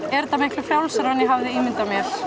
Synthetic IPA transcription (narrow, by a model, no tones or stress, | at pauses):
ɛɾt̪amɪhklʏ̥fjawlsɛɾanjɛɦavðɪiːmɪnt̪amjɛɾ̥